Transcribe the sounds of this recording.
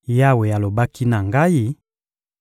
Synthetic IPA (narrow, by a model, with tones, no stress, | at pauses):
ja˦we˨ja˨lo˨ba˦ki˦na˨ŋɡa˦ji˦